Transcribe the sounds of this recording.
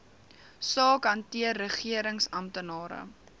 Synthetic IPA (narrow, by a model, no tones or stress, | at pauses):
sɑːkɦɐntiərːəχiəɾəŋsɐmtənɑːɾə̰